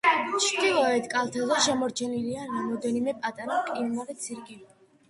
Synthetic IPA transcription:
t͡ʃʰt̪ilˠɔɛt̪ʰkʼalˠt̪ʰazɛʃɛmɔɾt͡ʃʰɛniliaɾamɔd̪ɛnimɛpʼat̪ʼaɾakʼinaɾɛt̪sʰiɾkʼilɔ

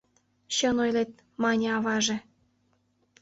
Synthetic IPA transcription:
ɕɤnojlet̪̚ | mɑnʲɑβɑʒĕ

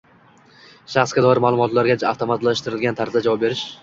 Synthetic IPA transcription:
ʃaχsɡʲad̪ɒɪɾmaːlˠʊmɒt̪laɾɡʲat͡ʃaft̪ʰomat̪laʃt̪ɪɾɪlɡʲant̪ʰaɾt̪ɪd̪ad͡ʒavɒp̚be̞ɾɪʃ

